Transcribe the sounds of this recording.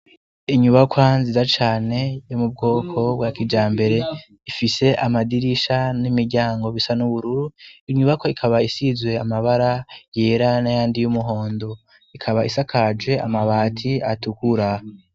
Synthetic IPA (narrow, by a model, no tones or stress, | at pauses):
iɲuβakwanzizat͡ʃaːne̞jomub̚ɡo̞ːkʰo̞bɡakid͡ʒaːmbe̞ɾe̞ | ifise̞ʔamadiɾiʃanimiɾɟaːŋɡo̞βisanuβuɾuɾuiɲuβakwoikʰaβaisizwe̞amaβaɾaje̞ːɾanajaːndijumuɦo̞ːndo̞ | ikʰaβaʔisakʰad͡ʒwe̞a̰maβaːtʰiatukuɾa